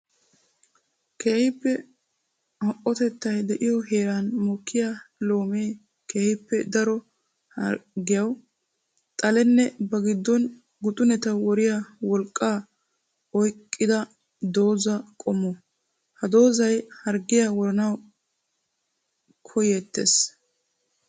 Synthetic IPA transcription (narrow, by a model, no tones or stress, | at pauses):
keːhɪpːɛ | hɔʔːɔt̪ɛt̪ːɐjd̪ɛʔɪjɔɦe̞ːɾanmɔkːɪjalo̞ːmeː | keːhɪpːɛd̪ɐɾɔ | hɐɡɪjɐw | t̪ʼɐlɛnːɛbɐɡɪd̪ːɔn | ɡʊt̪ʼʊnɛt̪ɐwɔɾɪjawɔlkʼːaː | ɔjkʼːɪd̪ɐ | d̪o̞ːzɐkʼɔmːɔ | hɐd̪o̞ːzɐjhɐɾɡɪjawɔɾɐnɐw | kʰɔjet̪ːḛs